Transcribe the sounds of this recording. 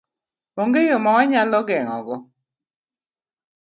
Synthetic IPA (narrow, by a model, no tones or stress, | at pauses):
oŋɡejomɔŋɔɲalɔɡɛŋɔɡɔ